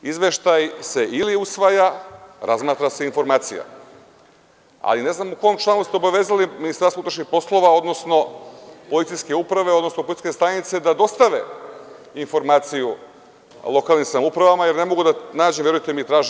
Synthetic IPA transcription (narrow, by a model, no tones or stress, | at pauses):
izʋe̞ʃt̪ajse̞iliusʋajaɾazmaːt̪ɾase̞info̞ɾmaːt̪sija̰ | a̰line̞znamuko̞jomt͡ʃlˠanust̪ɛobaʋe̞ːzaliminist̪aɾsout̪ɾḁʃnixpo̞slˠo̞ʋao̞d̪no̞sno̞po̞lit̪sijske̞upɾaʋe̞o̞d̪no̞snopolit̪ske̞st̪ajnit̪se̞d̪ad̪o̞st̪aʋe̞̰ | info̞ɾmaːt̪siju | lˠo̞kalˠnimsamupɾaʋamaje̞ɾne̞mo̞ɡud̪anaːd͡ʑemvje̞ɾujet̪emit̪ɾaːʒi